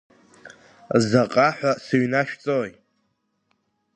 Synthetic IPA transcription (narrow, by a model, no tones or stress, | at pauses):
zaqʼaħʷᶣasɨɥnaʃᶣt͡sʼoj